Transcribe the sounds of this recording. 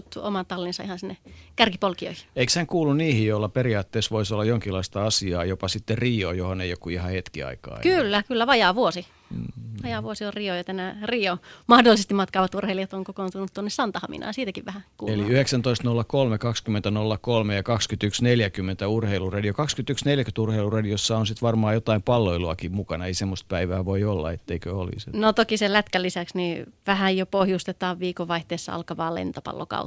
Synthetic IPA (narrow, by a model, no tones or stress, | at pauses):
t̪ːuomɑt̪ɑlːinsɑihɑnsinːekærkipolkio̰ihi̥eikshæŋkuːlːunniːhijjoilːɑperiɑːt̪ːeˑːsʋoisolːɑjoŋkilːˑɑist̪ɑɑsiɑːjopɑsit̪ːerriːo̰johoneijokkuihɑhet̪kiɑ̰ikɑ̰ːkylːækylːæʋɑjɑːʋuosi | ʋɑjɑʋuosiorriojɑt̪ænæːriːomɑhdolisest̪imɑt̪kɑːʋɑt̪urheiliɑt̪oŋkokont̪unut̪t̪ːuonːesɑnt̪ɑhɑmḭnʔɑ̰ːjɑsiːt̪ækiʋʋæhækueliyheksænt̪oist̪nolːɑkolmekɑkskymːˑent̪ænolːɑkolmejɑkɑkskyt̪yksneljækymːent̪æurheilurediokɑkskyt̪yksneljækyt̪urheilurɑdiosːɑonsit̪ʋɑrmɑːjot̪ɑimpɑlːoiluɑkimmukɑnɑeisemːost̪̚pæiʋæːʋoiolːɑ̰et̪ːeikøolḭsnot̪okiselæt̪kælːisæksniʋæhæjjopohjust̪et̪ɑːʋʋiːkoʋʋɑiht̪eːsːɑɑ̰lkɑʋɑːlḛnt̪opɑ̰lːo̰kɑ̰u